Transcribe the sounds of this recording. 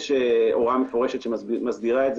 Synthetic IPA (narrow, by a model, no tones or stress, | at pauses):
ʃeo̞ʁamefo̞ʁe̞ʃet̪ʃemazbiʁaetz